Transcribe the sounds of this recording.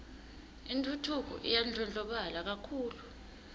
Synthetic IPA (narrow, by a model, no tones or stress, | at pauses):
intʰʼutʰuk̬ɔ̰ʔḭjand͡ɮʱɔnd͡ɮʱʼɔɓalak̬akʰuːlu